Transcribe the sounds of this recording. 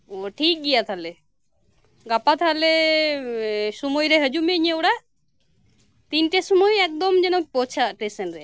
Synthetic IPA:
oʈʰik̚ɡijat̪ʰale | ɡapat̪ʰale | sumojɾeɦəd͡ʒumeɲewɽa | t̪inʈesumojɛk̚d̪ɔmd͡ʒɛnɔk̚pɔt͡ʃʰaʈɾesənɾɛ

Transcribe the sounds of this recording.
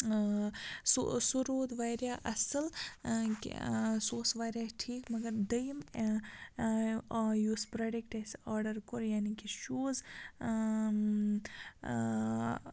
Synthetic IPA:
sṵsuɾoːd̪ʋaːɾjaːʔɐsɨlkḭsoːsʋaːɾʲjaːʈʰiːkmɐɡɐɾd̪ɐjm | juːspɾɐɖekʈɐsaːɾɖɐɾkoɾjaːnikiʃuːz

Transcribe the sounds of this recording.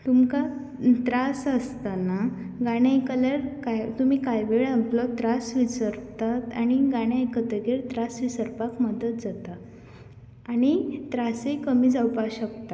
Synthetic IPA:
t̪umka | t̪ɾasəst̪ana | ɡaɽ̃jajkəlaɾkajt̪um̤iːkajʋeɭamplɔt̪ɾasʋit͡səɾpt̪at̪aɽ̃iɡaɽ̃jãjkət̪əɡeɾt̪ɾasʋisəɾpakməd̪ʱət̪̚d͡zat̪aː | ɽ̃it̪ɾasekəmiːd͡zawpaɕək̚t̪a

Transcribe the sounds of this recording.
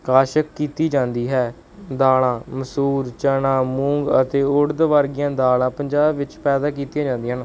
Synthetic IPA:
kaːʃəkːiːt̪iːd͡ʒãːnd̪iːɦɛː | d̪aːlãːməsuːɾt͡ʃənãːmũːŋɡət̪eːʊɽd̪ʋaːɾɡɪjãːd̪aːlãːpəɲd͡ʒaːbʋɪt͡ʃpɛːd̪aːk̬iːt̪ijãːd͡ʒãːnd̪iːɦən

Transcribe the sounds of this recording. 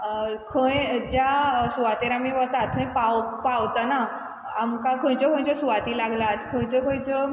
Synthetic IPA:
kʰə̃jd͡ʑjasuʋat̪eɾamiʋət̪at̪̚kʰə̃jpawpawt̪ana | amkakʰə̃jt͡ɕəkʰə̃jt͡ɕəsuʋat̪iːlaɡlat̪kʰə̃jt͡ɕəkʰə̃jt͡sə

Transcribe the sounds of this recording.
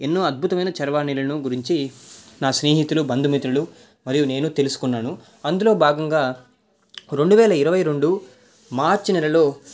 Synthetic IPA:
enːoːɐd̪̚bʱut̪ɐmɐjnɐt͡ʃɐɾʋaːnilɐnuɡuɾiɲt͡ʃinaːsne̞ːɦit̪ulubɐnd̪umit̪ɾɐlu | mɐɾijune̞ːnut̪elusu̥kunːaːnu | ɐnd̪ulo̞ːbʱaːɡɐŋɡaː | ɾe̞ɳɖuʋɛːlɐiɾɐʋɐjɾe̞ɳɖu | maːɾt͡ʃinɛlɐlo̞ː

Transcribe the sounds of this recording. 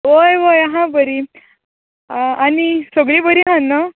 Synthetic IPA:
ʋojʋojaɦãbəɾi | anisoɡɭĩːbəɾiːɦãnːə

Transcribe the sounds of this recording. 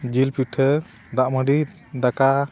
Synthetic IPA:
d͡ʒilpiʈʰə | d̪aʔməɖi | d̪aka

